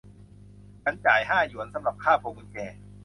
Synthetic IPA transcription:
kʰa˧˦˥nt͡ɕaː˨˩jhaː˥˩ju˨˩˦nsa˩˦mɾa˨˩p̚kʰaː˥˩pʰo˨˧˩mu˧nkɛː˧

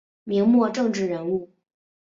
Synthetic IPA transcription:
mi˧˥ŋmwɔ˥˧ʈ͡ʂɤ˥˧ŋʈ͡ʂɻ̩˥˩ɻə˧˥nu˥˩

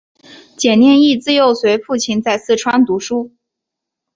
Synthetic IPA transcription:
t͡ɕjɛ˨˩njɛ˥˧ni˥˧t͡sɹ̩˥˧jo˥˩ʊswe˧˥ɪfu˥˩t͡ɕʰi˧˥nt͡sa˥˧ɪsɹ̩˥˩ʈ͡ʂʰwa˥nt̪u˧˥ʂu˥

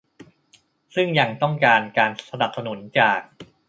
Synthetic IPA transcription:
sɯ˥˩ŋja˧ŋt̪ɔ˥˩ŋkaː˧nkaː˧nsa˧na˨˩p̚sa˧nu˩˦nt͡ɕaː˨˩k̚

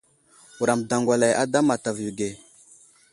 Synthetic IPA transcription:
u˨ɾa˨mda˨ŋɡʷa˨la˨ja̰˦da˦ma˨ta˨vju˨ɡe˨

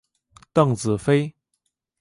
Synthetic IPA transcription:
t̪ə˥˩˨ŋt͡sɹ̩˨˩fe˥j

